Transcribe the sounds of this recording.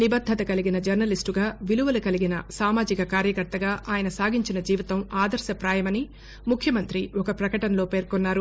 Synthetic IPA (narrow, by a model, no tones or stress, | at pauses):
nibɐd̪ʱːɐt̪ɐkɐliɡinɐd͡ʒɐɾnɐlisʈuɡaːʋiluʋɐlɐkɐliɡinɐ̰saːmaːd͡ʒikɐkaːɾjɐkɐɾt̪ɐɡaːʔaːjɐnɐsaːɡiɲt͡ʃinɐd͡ʒiːʋit̪ɐmaːd̪ɐɾʃɐpɾaːjɐmɐni | mukʰjɐmɐnt̪ɾiɔkɐpɾɐkɐʈɐnɐlo̞ːpe̞ːɾkonːaːɾu